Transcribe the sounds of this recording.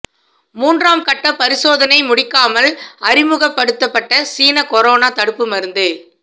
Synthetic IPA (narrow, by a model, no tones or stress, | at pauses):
muːndraːmkɐʈːɐpɐɾɪsoːðɐnɐɪmʊɽɪkːaːmɐlɐɾɪmɯɣɐpːɐɽɯt̪ːɐpːɐʈːɐsiːnɐkɔɾoːnaːt̪ɐɽɯpːɯmɐɾɯnd̪ɯ